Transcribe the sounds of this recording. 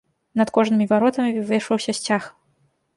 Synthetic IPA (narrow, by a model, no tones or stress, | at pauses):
nɐt̪kɔʐnɨmʲivaɾɔt̪ɐmʲivɨʂɐwsʲɐsʲt͡sʲax